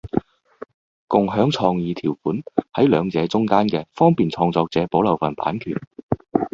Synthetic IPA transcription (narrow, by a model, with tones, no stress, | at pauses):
kʊ˨ŋɦœː˨˥ŋt͡sʰɔː˧ŋjiː˨˧t̪ʰiː˨˩wfuː˨˥nhɐ˨˥jlœː˨˧ŋt͡sɛː˨˧t͡sʊ˥ŋkaː˥nkɛː˧fɔː˥ŋpiː˨˩nt͡sʰɔː˧ŋt͡sɔː˧k̚t͡sɛː˨˧po˨˥wlɐ˨wfɐ˨˩npa̰ː˨˥nkʰyː˨˩n